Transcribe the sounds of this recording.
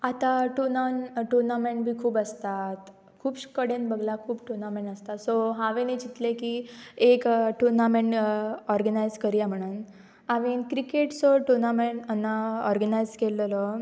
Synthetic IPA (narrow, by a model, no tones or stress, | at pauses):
at̪ãʈuɾnanʈuɾnamẽɳʈ̚bʱiːkʰuːbəst̪at̪ | kʰuːpɕkəɽẽnbəɡlakʰuːbʈuɾnamẽɳʈəst̪at̪soɦãʋenid͡ʑit̪lekiekʈuɾnamẽɳʈɔɾɡənajzkəɾjam̤əɽ̃un | aʋinkɾikeʈsɔʈuɾnameɳʈənːaɔɾɡənajzkellɔ